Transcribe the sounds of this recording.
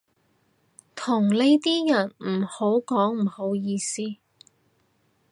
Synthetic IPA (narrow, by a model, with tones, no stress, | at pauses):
t̪ʰʊ˨˩ŋle˥jt̪iː˥jɐ˨˩nm̩˨˩ho˨˥wkɔː˨˥ŋm̩˨˩ho˨˥wjiː˧siː˥